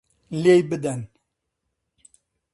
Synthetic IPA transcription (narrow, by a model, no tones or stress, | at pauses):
lejbɨd̪ɐn